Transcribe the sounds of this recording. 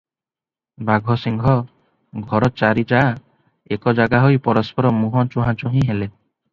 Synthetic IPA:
baɡʱɔsiŋɡʱɔ | ɡʱɔɾɔt͡ʃaɾit͡ʃa | ekɔd͡ʒaɡaɦɔjpɔɾɔspɔɾɔmuɦɔt͡ʃuɦãt͡ʃɔɦĩɦele

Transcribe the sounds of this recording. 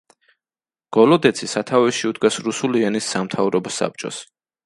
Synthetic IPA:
ɡ̥ɔlɔd̪ɛt̪sʰisat̪ʰavɛʃiud̪̚ɡasɾusuliɛnisːamt̪ʰavɾɔbɔsa̰p̚t͡ʃʼɔ̰s

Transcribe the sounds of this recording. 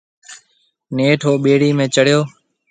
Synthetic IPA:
neːʈʰoːɓeːɽiːmẽːt͡ʃəɽ̤joː

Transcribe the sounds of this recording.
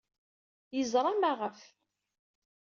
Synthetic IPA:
jəzɾˤɑmaʁəf

